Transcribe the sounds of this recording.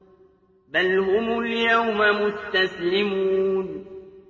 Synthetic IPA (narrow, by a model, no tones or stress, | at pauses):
balhʊmʊljawmamʊst̪aslɪmuuːn